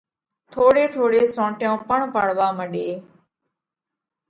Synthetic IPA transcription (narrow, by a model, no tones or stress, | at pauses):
t̪ʰoːɽeːt̪ʰoːɽeːsõːʈjõːpəɳpəɽʋaːməɗeː